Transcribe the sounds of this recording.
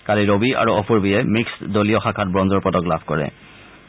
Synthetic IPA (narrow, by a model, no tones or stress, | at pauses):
kaliɹobia̰ɹuɔpʰuɹbiɛmiksdolijɔxakʰat̚bɹɔnzɔɹpɹɔtɔklabʱkɔɹɛ̰